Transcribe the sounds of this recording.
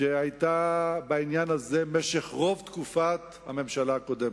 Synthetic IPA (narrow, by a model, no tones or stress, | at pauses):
ʃeajt̪abainjanazemeʃeχʁo̞vt̪kufat̪ha̰me̞mʃalaako̞d̪em